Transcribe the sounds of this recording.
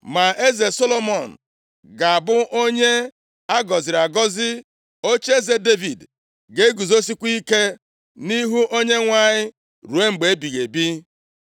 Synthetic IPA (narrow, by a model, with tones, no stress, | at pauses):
ma˨e˦ze˨so˦lo˦mɔ˨n̩˨ | ɡa˨a˨bʊ˦ʔo˦ɲe˦ | a˦ɡɔ˨zɪ˨ɾa˨ɡɔ˦zɪ˦ | o˦t͡ʃe˦ze˨de˦vi˨d | ɡe˨˦ɡu˨zo˦si˦kʷi˦ke˦ | ni˦ɦu˦ʔo˦ɲe˦ŋʷa˦ɲɪ˦ | ɾu˨e˦ŋ͡m̩˨ɡ͡be˨˦e˦bi˨ɣe˨bi˦